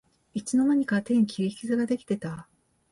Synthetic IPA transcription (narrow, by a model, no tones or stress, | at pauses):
it͡ɕino̞naɲ̟ikat̪ẽ̞ŋkʲiɾʲikʲizɨɡad̪e̞kʲi̥t̪e̞t̪a